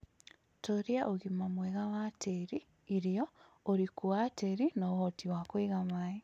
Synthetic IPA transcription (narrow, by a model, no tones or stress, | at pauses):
toɾiaʔoɣimamwɛɣawatʰeɾiː | ɾiɔ | oɾikuateɾinaɣɔtiwakweɣamai